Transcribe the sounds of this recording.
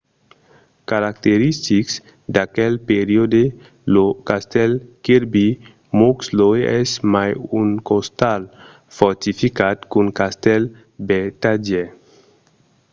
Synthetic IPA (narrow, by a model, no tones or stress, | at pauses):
kaɾak̚t̪eɾist̪iks | d̪akɛlpeɾiod̪e | lokast̪ɛlkiɾbi | mokslojɛ̰smajuŋkost̪al | fɔɾt̪ifikat̪kuŋkast̪ɛl | bet̪ad͡ʒɛ